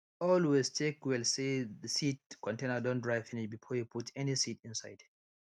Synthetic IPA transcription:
ɔlwestʰekwɛlseðəsit̚kʰɔ̃ntẽnədɔ̃ndɹaɪfĩnibifɔjupʰutʰɛnisitɪ̃nsaɪd̥

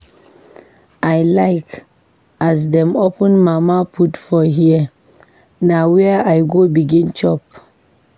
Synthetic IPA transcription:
ajlaɪk | asdɛ̃mopə̃nmamapʰutfɔɦiə | nawɛəajɡobiɡĩnt͡ʃɔp̚

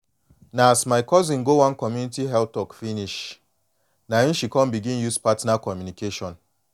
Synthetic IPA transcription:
naasmaɪkɔzĩŋ̩ɡowãnkɔmjunitiɦɛp̚tɔkfiniʃ | naĩn̩ʃikɔ̃mbiɡĩnjuspatnakɔmjunikeʃɔ̃n

